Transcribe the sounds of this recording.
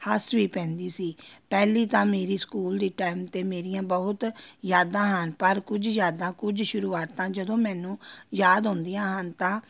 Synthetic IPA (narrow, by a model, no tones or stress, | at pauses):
həsʋiːpɛ̃ːnd̪iːsiːpɛːliːt̪ãːmeːɾiːskuːld̪iːʈaːɪmt̪eːmeːɾɪjãːbəʊt̪jaːd̪ãːɦənpəɾkʊd͡ʒjjaːd̪ãːkʊd͡ʒʃʊɾuːaːt̪ãːd͡ʒəd̪õːmɛːnũːjaːd̪ɦʊ̃nd̪ijãːɦənt̪ãː